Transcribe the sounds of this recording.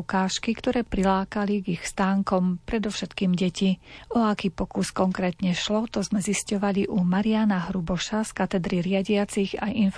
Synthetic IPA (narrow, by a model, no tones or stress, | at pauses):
kaːʃkikt̪ɔɾɛːpɾilaːkaliɡixst̪aːŋkɔmpɾɛd̪ɔʊʃɛt̪kiːmɟɛciɔakiːpɔkuskɔŋkɾɛːt̪ɲɛʃlɔt̪ɔzmɛziscɔʋaliʔumaɾianaɦɾubɔʃaskat̪ɛd̪ɾiɾɪaɟɪat͡siɣa̰jinf